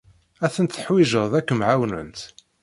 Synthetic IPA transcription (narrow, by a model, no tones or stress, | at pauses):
æθənt̪θəħwiʒəʁðækːəmʕawnə̰nt̪